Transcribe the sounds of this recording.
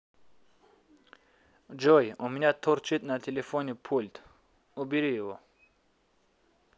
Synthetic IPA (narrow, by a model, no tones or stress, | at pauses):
d͡ʒɔjɔminat̪ʰɔɾt͡ʃʰit̪nat̪ʰelefonipʰult̪ʰ | ubiɾijɔ